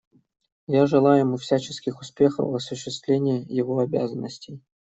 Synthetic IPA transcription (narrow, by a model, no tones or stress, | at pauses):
jaʐɨlˠajʊɪmufsʲat͡ɕɪskʲɪxʊspʲe̞xə̰vɐsʊɕːɪst̪vʲlʲenʲɪjəjɪvoɐbʲa̰zənːəsʲtʲɪj